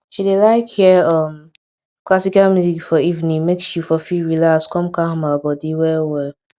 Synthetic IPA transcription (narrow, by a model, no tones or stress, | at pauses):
ʃidelaɪkhiɔm | klasikalmjuzikfɔivnĩŋmeksjufɔfiɹilakskɔ̃mkaɦmabɔdiwɛwɛl